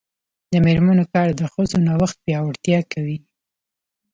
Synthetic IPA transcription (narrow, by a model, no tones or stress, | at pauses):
d̪əmeɾmanokɑɾd̪əxəzonawaxt̪̚pjɑwaɽt̪jɑkʰawi